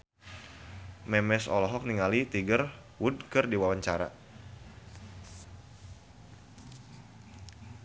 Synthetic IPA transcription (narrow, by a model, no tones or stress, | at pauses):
mɛmɛsɔ̰lɔɦɔk̚niŋalit̪iɡər | wud̚kɨrdiwawaɲt͡ʃaɾa̰